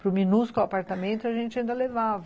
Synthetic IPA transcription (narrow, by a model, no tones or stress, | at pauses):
pɾʊminuskapaɾt̪amẽnt̪ʊaʒẽnt͡ʃɪaɐĩnd̪ɐlevavɐ